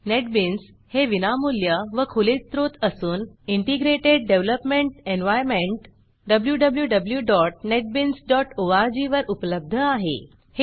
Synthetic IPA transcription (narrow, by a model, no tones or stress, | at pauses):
neʈ̚bins | heʋinamuljəʋəkʰulit͡st̪ɾot̪əsuːniɳʈiɡɾeʈeɖ̚ːeʋləpmeɳʈenʋajɾmeɳʈ | ɖəbljuɖəbljuɖəbljuɖɔʈ̚neʈ̚binsɖɔʈoaɾd͡ʑiʋəɾʔupləb̚d̪ʱəaɦḛ | h